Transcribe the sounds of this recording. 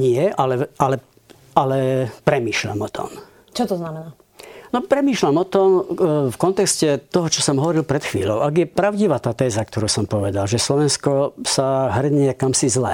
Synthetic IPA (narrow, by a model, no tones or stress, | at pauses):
ɲɪɛʔalɛʔalɛ | alɛpɾɛmiːʃʎa̰mɔt̪ʰɔ̰m | t͡ʃɔt̪ɔznamɛna | nɔpɾɛmiːʃʎamɔt̪ɔmfkɔnt̪ɛkscɛt̪ɔɦɔt͡ʃɔsɔmɦɔʋɔɾilpɾɛt̪xʋḭːʎɔʊʔaɡjɛpɾaʊɟiʋaːt̪aːt̪ɛːzak̚t̪ɔɾuːsɔmpɔʋɛd̪alʒɛslɔʋɛnskɔsaɦr̩ɲɪɛkamsizlɛ̰